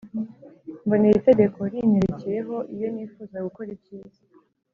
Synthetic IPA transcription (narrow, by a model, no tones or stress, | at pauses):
mbo̞niite̞ɡe̞kʰo̞ɾineɾeceje̞ɦo̞ʔijo̞niːfuːzaɡuko̞ɾib̚ɟiːzḁ